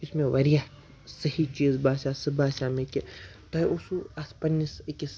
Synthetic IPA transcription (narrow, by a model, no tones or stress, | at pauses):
ɪsmẽʋɐɾijaː | sɐhit͡ʃiːzbaːsʲaːsɨbaːsʲaːmeket̪ɐosuaspɐnːisikis